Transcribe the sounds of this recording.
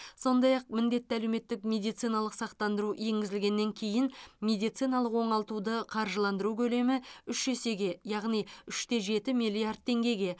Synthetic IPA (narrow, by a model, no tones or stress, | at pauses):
so̞nd̪ɑjɑq̚mɪnd̪e̞t̪ːɪælewme̞t̪ːɪkmʲe̞d̪ijt̪sijnɑlˠəqsɑqt̪ɑnd̪əɾuje̞ŋɡʲɪzɪlɡʲe̞nːe̞ŋkʲʰe̞jɪnmʲe̞d̪ijt̪sijnɑlˠəqwo̞ɴɑlˠt̪ud̪əqʰɑɾʒəlˠɑnd̪əɾukʲʰɵle̞mɪʏʃʒese̞ɡʲe̞jɑʁnijʏʃt̪e̞ʒe̞t̪ɪmijlʲijard̪̚t̪ʰːe̞ŋɡʲe̞ɡʲe̞